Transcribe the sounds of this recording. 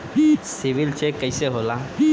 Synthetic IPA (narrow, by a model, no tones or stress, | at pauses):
siʋilt͡ɕekəjseɦola